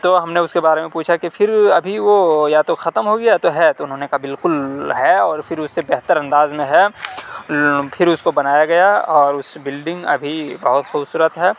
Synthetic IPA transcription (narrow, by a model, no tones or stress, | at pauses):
t̪oɦɐmneʊskebaːɾemẽpuːt͡ʃʰakifʰɪɾɐbʱiʋojat̪oxɐt̪əmɦoɡɐjat̪oɦɛt̪oʊnɦoːnekabɪlkʊlɦɛɔːɾfʰɪɾʊsːebɛɦt̪əɾɐ̃nd̪aːzmẽɦɛ | pʰɪɾʊskobɐnaːjaɡɐjaɔːɾʊsbɪlɖɪ̃ŋɡɐ̰bʱibɐɦʊt̪xʊːbsuːɾət̪ɦɛː